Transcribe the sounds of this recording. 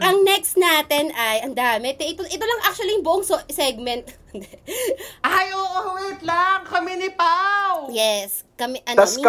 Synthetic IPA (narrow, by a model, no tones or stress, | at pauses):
ʔɐŋnɛkst̪naːt̪ɛnʔɐjʔɐnd̪aːmɛt̪ɛʔɪt̪oʔɛt̪olɐŋʔak̚t͡ʃʊɐlijʊŋbʊʔoŋssɛɡ̚mɛnt̪̚ | ajoʔowɛɹt̪laŋkɐmɛnɪpawjɛs | kɐmɛʔɐnɐs